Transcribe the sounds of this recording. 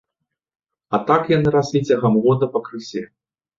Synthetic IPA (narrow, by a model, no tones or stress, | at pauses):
ɐt̪akjanɨɾasʲlʲit͡sʲɐɣɐmɣɔd̪ɐpɐkɾɨsʲɛ